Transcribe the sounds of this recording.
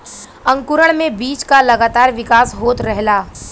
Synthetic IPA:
ɐ̃ŋkʊɾəɽ̃mẽbiːt͡ʃkalɐɡaːt̪aːɾʋɪkaːsɦoːt̪ɾɛɦlaː

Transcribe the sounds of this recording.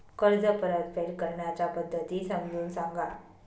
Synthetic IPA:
kəɾd͡zəpəɾət̪fʰeɽkəɾɳjat͡ɕapəd̪ʱːət̪iːsəmd͡zʱuːnsãŋɡa

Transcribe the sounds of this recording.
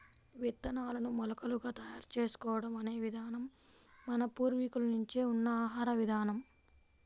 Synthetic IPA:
ʋit̪ːɐnaːlɐnumɔlɐkɐluɡaːt̪ɐjaːɾt͡ʃeːsu̥kɔːʋɐɽɐmɐne̞ːʋid̪ʱaːnɐmːɐnɐpuːɾʋikulɐnuɲt͡ʃeːunːɐaːɦaːɾɐʋid̪ʱaːnɐm

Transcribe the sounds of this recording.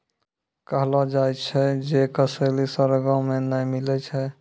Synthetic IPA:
kəɦlad͡ʒajt͡ʃʰɛd͡ʒekəsəlisəɾɡə̃menəjmilɛt͡ʃʰɛ

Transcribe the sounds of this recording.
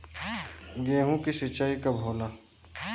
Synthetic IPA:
ɡẽːɦũkisɪt͡ʃaːikabʱoːlaː

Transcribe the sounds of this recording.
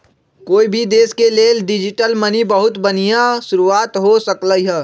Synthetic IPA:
koːibʱid̪eːskeleːlɖɪd͡ʒɪʈəlmənibəɦʊt̪bənijaʃʊɾuaːt̪ɦosəkləiɦɛː

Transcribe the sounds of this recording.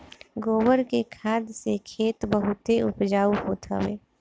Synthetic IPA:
ɡoːwəɾkekʰaːd̪sekʰeːt̪bəɦʊt̪eʊ̰pd͡ʒaːuɦoːt̪ʰa̰wḛː

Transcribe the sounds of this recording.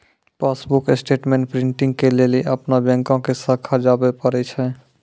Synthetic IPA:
pasbuksʈeʈmẽɳʈ̚pɾĩɳʈĩŋɡkeleliʔəpnabɛ̃ŋkõkesəkʰːad͡ʒabepəɾɛt͡ʃʰɛ

